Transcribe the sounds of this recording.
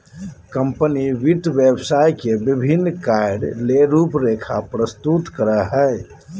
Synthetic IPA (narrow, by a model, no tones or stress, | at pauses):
kə̃mpəniʋɪt̪ʋebsaːjkebɪbʱɪnːkaɪɖleɾuːpɾeːkʰa̰pɾəst̪ut̪kəɾəɦɛː